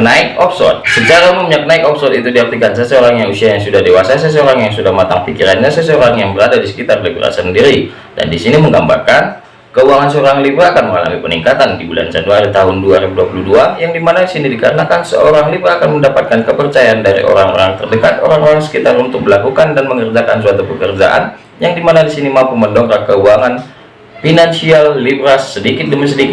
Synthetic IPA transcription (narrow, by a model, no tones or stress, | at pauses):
naɪkɔpsɔ̰t̪̚sət͡ʃaɾauməmɲaknaɪkɔpsɔt̪it̪udiar̚t̪ikansasəoɾaŋjaŋusiajaŋsudahdewasas̬əs̬əoɾaŋjaŋsudahmat̪aŋpikiɾanɲasəsəoɾaŋjaŋbəɾadadisə̥kit̪arlibɾa̰səndiɾi | da̰ndisiniməŋɡamba̰rkan | kəuaŋans̬əoɾaŋlibɾaːkanməŋala̰mipəniŋkat̪andibula̰nsanduaɾit̪aɦʊnduaɾibuduapuluduajaŋdimanadisinidikaɾənakansə̰oɾaŋlibɾaːkanməndapat̪̚kankəpərt͡ʃajaandaɾḭʔo̰ɾaŋo̰ɾaŋt̪ərdəkat̪o̰ɾaŋoɾaŋsə̥kit̪aɾunt̪ʊk̚məlakukandanməŋərd͡ʒakansuat̪upəkərd͡ʒa̰ʔa̰n | jaŋdimanadisinimapuməndɔŋkakəuaŋan | finansialːibɾasədikɪt̪̚dəmis̬ədikɪ